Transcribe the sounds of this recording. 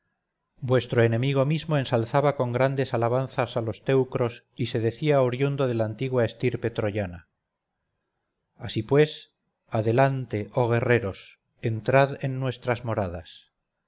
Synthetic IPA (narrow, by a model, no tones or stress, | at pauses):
bwe̞st̪ɾoenẽ̞miɣ̞o̞mizmo̞e̞nsalθaβako̞ŋɡɾand̪e̞salaβ̞anθasalo̞st̪e̞wkɾo̞s | ise̞ðe̞θiawɾjund̪o̞ðe̞lant̪iɣwae̞st̪iɾpe̞t̪ɾoʝana | asipwe̞s | aðe̞lant̪e̞ʔo̞ɣ̞e̞re̞ɾo̞s | ent̪ɾaðenːwe̞st̪ɾazmo̞ɾað̞as